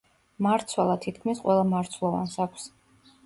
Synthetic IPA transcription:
maɾt̪sʰwɛlˠat̪ʰit̪ʰkʰmisqʼwɛlˠamaɾt̪sʰlˠɔva̰nsakʰʷs

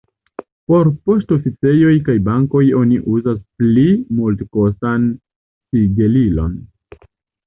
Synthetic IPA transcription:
po̞ɾpo̞sto̞fit͡se̞jo̞jkajbaŋko̞jo̞niʔuzasplimultko̞san | siɡelilo̞̰n

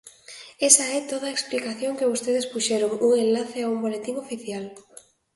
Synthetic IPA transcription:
esɐɛt̪oð̞ɐeksplikaθjoŋkeβost̪eðespuʃɛɾoŋuŋenlaθɪaumbolet̪iŋofiθjal

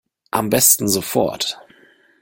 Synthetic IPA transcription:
ʔa̰mbɛstn̩zofɔ̰ɐt

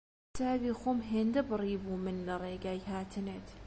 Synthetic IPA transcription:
t̪ʰaːbiːxoːmɦeːnd̪ɐbɨrˤiːbuːmɨnlɐreːɡaːjhaːt̪ʰɨnet̪

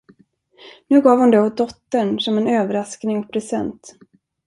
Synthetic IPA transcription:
nʉ̟ːɡɑːvhʊnd̪ɛhʊs̚d̪ɔt̪ːəɳsɔmɛnøːvəɾasknɪŋɔkpʰɾɛsɛ̰nt̪

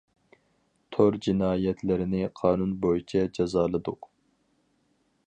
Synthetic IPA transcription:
t̪ʰoɾd͡ʒinɑːjɛt̪ʰlɪɾɪnɪqʰɑːnunbojit͡ʃʰɛd͡ʒɑzɑːlˠɨd̪ʊq

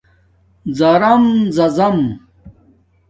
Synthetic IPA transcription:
zɐɾɐmzɐzɐm

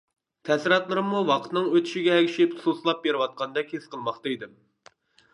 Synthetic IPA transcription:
t̪ʰɛsɪɾɑt̪lˠɨɾɨmːuwɑqʰət̪nɨŋøt̪ʰy̥ʃiɡʲɛːkʲʰiʃipsuslˠɑp̚beɾɨwɑt̪̚qʰɑnd̪ɛkʲhesqəlˠmɑχt̪ɑid̪ɪm

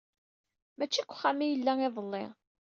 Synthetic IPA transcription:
mæt͡ʃːikʷːχːamijəlːæŋɪðˤəlːḛ

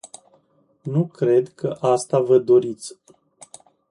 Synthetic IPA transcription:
nukɾe̞d̪kʰəʔast̪avəd̪o̞ɾit̪sʲ

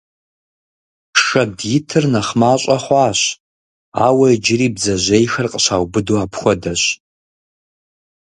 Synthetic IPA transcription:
ʂɐdjɪtʰɨrnaχmaːɕʷʼaχʷaːɕ | a̰wɐjd͡ʒɪɾiːbzɐʑʷejxɐrqʼəʃaːwbɨduapʰxʷɔdɐɕ

